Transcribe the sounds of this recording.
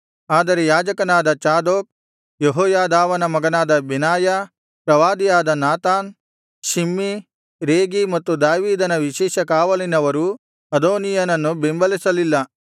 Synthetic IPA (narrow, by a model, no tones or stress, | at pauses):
aːd̪ɐɾejaːd͡ʒɐkɐnaːd̪ɐt͡ʃaːd̪oːk̚ | jeɦoːjaːd̪aːʋɐnɐmɐɡɐnaːd̪ɐbinaːja | pɾɐʋaːd̪ijaːd̪ɐnaːt̪aːn | ʃimːi | ɾeːɡimɐt̪ːud̪aːʋiːd̪ɐnɐʋiʃɛːʃɐkaːʋɐlinɐʋɐɾu | ɐd̪oːnijɐnɐnːubembɐlisɐlilːɐ